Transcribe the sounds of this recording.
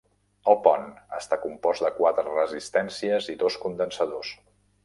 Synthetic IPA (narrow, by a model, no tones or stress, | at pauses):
əlˠpɔnəst̪akumpɔzd̪əkwat̪ɾərəzist̪ɛnsiəziðoskund̪ənsəðos